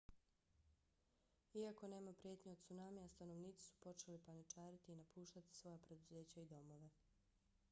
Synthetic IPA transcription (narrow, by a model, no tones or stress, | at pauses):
iako̞ne̞ːmapɾje̞t̪ɲeod̪̚t̪sunaːmiast̪ano̞ʋniːt̪si̥su̥po̞t͡ʃe̞lipanit͡ʃaːɾit̪iːnapuːʃt̪at̪i̥sʋo̞japɾe̞d̪uze̞ːt͡ɕaid̪o̞mo̞ʋe̞